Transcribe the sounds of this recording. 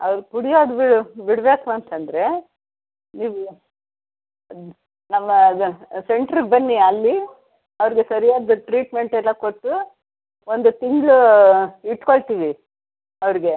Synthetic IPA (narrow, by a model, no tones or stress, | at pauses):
ɐʋɾpuɽijaːd̪biɽbiɽʋeːkuɐnt̪ɐnd̪ɾe̞ | niːʋu | nɐmːɐuse̞ɳʈɐɾɡbɐnːiɐlːi | ɐʋɾiɡesɐɾijaːd̪ɐʈɾiːʈme̞ɳʈɛlːɐkoʈːu | o̞nd̪ut̪iŋɡɭu | iʈkoɭt̪iːʋi | ɐʋɾiɡe̞